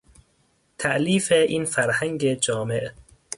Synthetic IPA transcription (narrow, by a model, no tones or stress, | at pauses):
t̪ʰæʔliːfeʔiːnfæɾhæŋɟed͡ʒɒːme̞ʔ